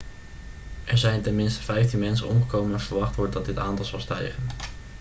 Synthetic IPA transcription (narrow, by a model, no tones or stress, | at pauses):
ʔɛɹzɛjntɛnmɪnstə̥vɛjftinmɛnsə̰nɔmχəkowmənɑsfəɹʋɑχtʋɔɹdədɑt̚dɪtaːntɑlˠz̥ɑlˠstɛjχən